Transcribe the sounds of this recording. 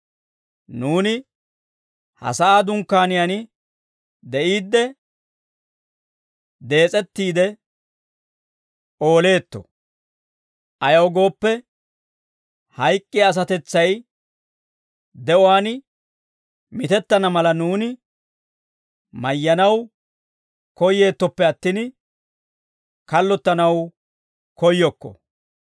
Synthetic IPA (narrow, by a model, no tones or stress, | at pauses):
nuːnɪ | hɐ̰sɐaːd̪ʊŋkːaːnɪjanɪ | d̪ɛʔiːd̪ːɛ | d̪e̞ːt͡sʼɛt̪ːiːd̪ɛ | ʔo̞ːle̞ːt̪ːɔ̰ | ʔɐjɐwɡo̞ːpːɛ | hɐjkʼːɪaːs̬ɐt̪ɛt͡sːɐj | d̪ɛɔwaːn | mɪt̪ɛt̪ːɐnɐmɐlɐnuːnɪ | mɐjːɐnɐw | kɔjːe̞ːt̪ːɔpːɛɐt̪ːin | kɐlːɔt̪ːɐnɐw | kɔjːɔkːɔ̰